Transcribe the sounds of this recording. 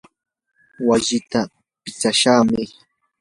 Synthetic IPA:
waʎɪt̪a | pɪt͡ʃaʃaːmɪ

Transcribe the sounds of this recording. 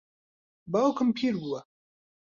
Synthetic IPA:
bawkəmpʰiɾɡuwa

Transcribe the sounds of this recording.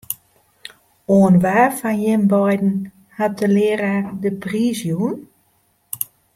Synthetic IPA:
oːənʋaːfanjɪmbɔjdn̩ | hat̚əlɪəradəprizjun

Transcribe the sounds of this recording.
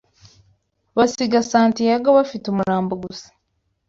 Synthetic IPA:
βasiɡasaːntijaɡoβafitomuɾaːmboɡusi̥

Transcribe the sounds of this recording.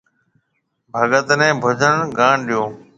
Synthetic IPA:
bʱəɠət̪nɛ̃ːbʱʊd͡ʒʱəɳɡaːɳɗijõː

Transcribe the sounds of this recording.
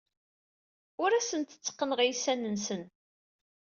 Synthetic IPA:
ʊɾæsənt̪ə̥t͡sːə̥qːənəʁijsænːənsən

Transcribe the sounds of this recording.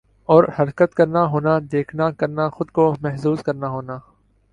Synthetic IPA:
ɔːɾhɐɾkət̪kɐɾnaɦoːnad̪eːkʰnakɐɾnaxʊd̪komɛɦsuːzkɐɾnaɦoːnaː

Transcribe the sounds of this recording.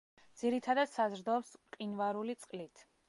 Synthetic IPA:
d̪z̥iɾit̪ʰad̪ad̪̥sazɾd̪ɔpsqʼinvaɾulit̪sʼqʼlit̪ʰ

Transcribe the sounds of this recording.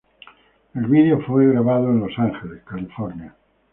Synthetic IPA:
elβiðeofweɣɾaβaðoẽnlosaŋxeleskalifoɾnja

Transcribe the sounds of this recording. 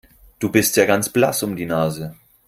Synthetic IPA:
d̥uːbɪstjaːɡant͡sb̥lasʊmdiːnaːzə

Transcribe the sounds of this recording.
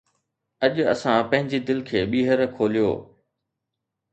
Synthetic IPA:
ɐʄʊɐ̰sãpɐ̃ɦɪ̃ɲd͡ʑid̪ɪlkʰeːɓiːɦəɾkʰoːlijo̰ː

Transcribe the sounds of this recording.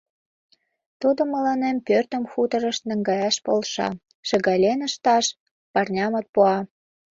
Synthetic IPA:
t̪ud̪ŏmə̆lɑnempørt̪ə̆mxut̪ə̆ɾə̆ʃt̪nə̆ŋɡɑjɑʃpolʃɑ̰ | ʃə̆ɣɑlʲenə̆ʃt̪ɑʃ | pɑrnʲɑmɤt̪̚puɑ

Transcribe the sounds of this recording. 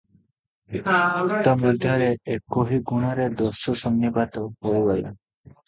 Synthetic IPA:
ɔmɔd̪ʱjaɾeekoɦiɡuɽ̃aɾed̪ɔsɔsɔnːibat̪ɔhowɡɔla̰

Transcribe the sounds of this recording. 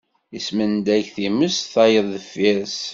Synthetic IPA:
ismənd̪æçθiməsθɑjəðˤðəfæs

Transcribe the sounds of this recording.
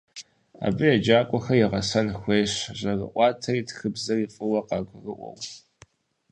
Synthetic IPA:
a̰ːbɨjɛd͡ʒaːkʷʼɔxɐjɪʁɐsɐnxʷeːɕʑɐrɨ̰ʔʷɑːtʰɐriːtʰxɨbzɐiːfʼɨwɐqɑːɡʷʊrɨʔʷɔ̰w

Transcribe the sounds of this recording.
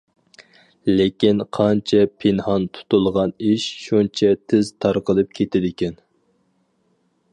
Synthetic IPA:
lekʲinqʰɑnt͡ʃʰɛpʰenhɑnt̪ʰu̥t̪ulˠʁɑniʃʃunt͡ʃʰɛt̪ʰɪz̥t̪ʰɑɾqəlˠɨp̚kʲʰet̪ʰɪd̪ɪkʲɛn

